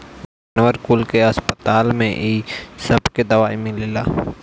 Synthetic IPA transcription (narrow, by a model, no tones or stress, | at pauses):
d͡ʒaːnwəɾkʊlkeɐspət̪aːlmẽʔiːsəbked̪ɐʋaːimɪlilaː